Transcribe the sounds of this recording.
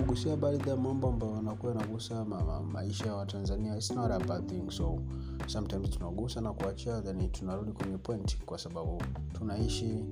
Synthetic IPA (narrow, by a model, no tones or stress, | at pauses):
kuɡusiaɓaliðajamambɔambajɔnakuaanaɡusaama̰iʃajawatanzaniasnaɾabaθiŋsɔ | sam̩tajmz̥tunaɡusanakuat͡ʃiaðɛnitʰunaɾuɗikwɛɲɛpwɛnti̥kwasaɓaɓutunaiʃi